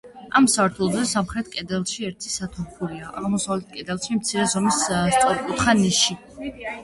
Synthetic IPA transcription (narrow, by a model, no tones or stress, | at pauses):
amsaɾt̪ʰulˠɔzɛsamχɾɛt̪ʰkʼɛd̪ɛlˠʃiɛɾt̪ʰisat̪ʰumχuliaʔaʁmɔsavlɛt̪̚ʰkʼɛd̪ɛlˠʃimt̪sʰiɾɛzɔmisst̪sʼɔɾikʼut̪ʰχaniʃi